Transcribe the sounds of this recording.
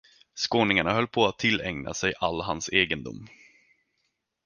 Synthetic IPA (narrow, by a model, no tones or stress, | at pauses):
skoːnɪŋaɳaɦœlːpʰɔat̪ʰːɪlːɛŋna̰sɛjʔalːɦanseːɡənd̪ʊ̰mː